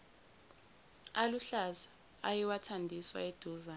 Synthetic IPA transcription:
aluɬazaː | jiwatʰandʱiswa̰ed̥ʱuza

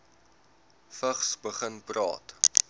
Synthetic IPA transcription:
fəχsbəχənprɑ̰ːt

